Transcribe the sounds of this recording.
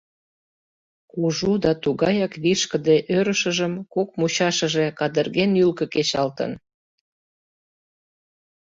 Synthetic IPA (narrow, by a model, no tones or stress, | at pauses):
uʒud̪ɑt̪uɣɑjɑkβiʃkəd̪eʔøɾəʃəʒəmkok̚mut͡ɕɑʃəʒekɑd̪ərɣenylkə̆ket͡ɕɑlt̪ə̰n